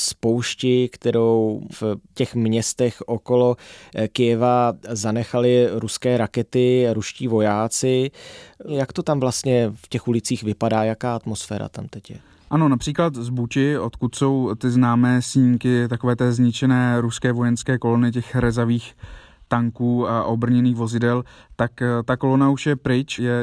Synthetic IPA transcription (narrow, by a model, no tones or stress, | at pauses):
spo̞wʃcɪkt̪ɛɾowfcɛxmɲɛst̪ɛxʔoko̞lo̞kɪjɛvazanɛxalɪɾuskɛːɾakɛt̪ɪɾuʃciːvo̞jaːt͡sɪ | jakt̪o̞t̪amvlast̪ɲɛfcɛxulɪt͡siːxvɪpadaːjakaːat̪mo̞sfɛ̰ːɾa̰t̪a̰mt̪ɛcjɛ̰ | ʔano̞napr̥iːklat̪zbucɪo̞t̪kut̪so̞wt̪ɪznaːmɛːsɲikɪt̪ako̞vɛːt̪ɛːzɲɪt͡ʃɛnɛːɾuskɛːvo̞jɛnskɛːko̞lo̞nɪc̬ɛxɾɛzaviːx | t̪aŋkuːaʔo̞br̩ɲɛniːxvo̞zɪdɛl | t̪akt̪ako̞lonauʃjɛpɾɪt͡ʃjɛ